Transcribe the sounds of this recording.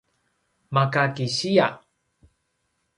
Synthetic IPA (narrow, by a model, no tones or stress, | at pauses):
makakiɕia